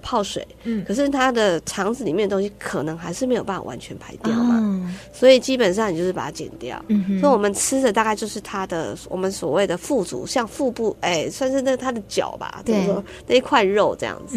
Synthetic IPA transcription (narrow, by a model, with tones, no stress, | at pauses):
pʰɑ˥˩ʊʂwḛ˨˩˦ɪkʰɤ˨˩ʂ̬ɻ̩˥˩t̪ʰa˥d̪ə˨ʈ͡ʂʰɑ˧˥ŋd͡zɹ̩˨li˨˩mjɛ˥˩d̪ə˩t̪o˥ŋɕi˥kʰɤ˨˩nɤ˧˥ŋxa˧˥ɪʂɻ̩˥˩m˧˥jo˨˩pa˥˩fa̰˨˩wa̰˧˦nt͡ɕʰɥɛ˧˦npʰa˧˥ɪt̪jɑ˥˩ʊ˦swɔ˧˥i˨˩t͡ɕi˥pə˨˩n̬ɑ˥˩ŋn˨t͡ɕjo˥˧ʊʂɻ̩˥˩a˨˩tʰa˥t͡ɕjɛ̰˨˩nt̪jɑ̰˥˩ʊsɔ˧˥i˩wɔ˨˩mə˨˦nt͡sʰɹ̩˥d̪ə˨t̪a˥˧ka˥ɪt͡ɕjo˥˧ʊʂɻ̩˥˩t̪ʰa˥d̪ə˨wɔ̰˨˩mə˦nswɔ̰˨˩we˥˩ɪd̪ə˩fu˥˩t͡sṵ˨˥˦ɕjɑ˥˧ŋfu˥˧pu˥˩e˥˩ɪswa˥˧nʂɻ̩˥˧na˥˩ɡt̪ʰa˥d̪ə˨t͡ɕjɑ̰˨˩ʊba̰˩t͡ɕo˥˧˥ʂwɔ˥ | na˥˧i˧˥kʰwa˥˧nɻo˥˧ʊʈ͡ʂɤ˥˧jɑ̰˥˩ŋd͡zɹ̩˨˩